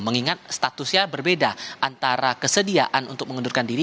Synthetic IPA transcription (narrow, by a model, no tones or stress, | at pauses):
məŋiŋat̪̚st̪at̪ʊsɲabərbedaʔant̪aɾakəsədiaʔanṵnt̪ʊk̚məŋədurkandiɾi